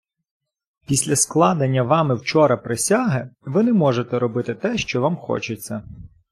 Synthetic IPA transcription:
pʲisʲlʲɐsklˠɑd̪ɐnʲːɐʋɑmɪwt͡ʃɔɾɐpɾesʲaɦɪʋɪnɛmɔʒet̪ɛɾɔbɪt̪ɪt̪ɛʃt͡ʃɔʋɑmxɔ̰t͡ʃɪt͡sʲːɐ

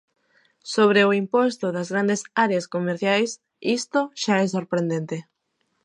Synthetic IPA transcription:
soβ̞ɾeoimpost̪ʊðɐzɣɾand̪esaɾeaskomeɾθjajs | ist̪oʃaɛs̬oɾpɾẽnd̪ẽnt̪e

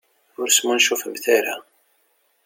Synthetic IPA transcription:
ʊɾsmunʃufəmθaɾa

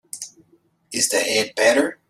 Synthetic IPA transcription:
ɪzðɨɛd̚bɛɾə˞

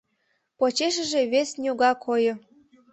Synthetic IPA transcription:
pot͡ɕeʃ̬ə̆ʒeβesnʲoɣɑkʰojɤ̆

